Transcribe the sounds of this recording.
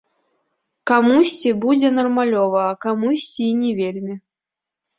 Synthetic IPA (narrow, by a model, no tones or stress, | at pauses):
kamusʲt͡sʲibud͡zʲɛnɐrmalʲɔvɐːkamusʲt͡sʲinʲevʲelʲmʲi